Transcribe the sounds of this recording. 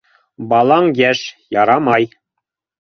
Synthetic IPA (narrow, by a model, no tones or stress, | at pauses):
bɑlˠɑɴjæʃjɑɾɑmɑj